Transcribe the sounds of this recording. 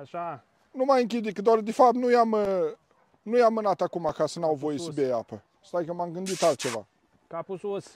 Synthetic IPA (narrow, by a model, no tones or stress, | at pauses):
aʃa | numajɨŋk̬ʲid̪ekɨt̪d̪oard̪efap̚t̪nujamə | nujamːɨnat̪akumakasənawvo̞jesəbejapə | st̪ajkəmamɡɨnd̪it̪alt̪̚t͡ʃe̞va̰ | kapusos